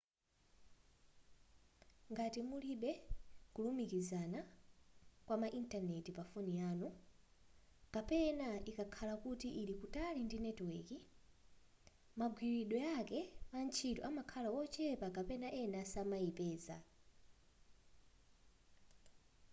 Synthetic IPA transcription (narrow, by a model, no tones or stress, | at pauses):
ŋɡatimuliɓɛkulumikizana | kwamaʔintanɛtipafunijaːnɔ | kapɛnaikakʰalakutiʔːlikutalindinɛtwiki | maɡwiɾiɗɔjakɛpant͡ʃʰitɔamakʰalawɔt͡ʃɛpakapɛnaʔɛnasamajipɛːza̰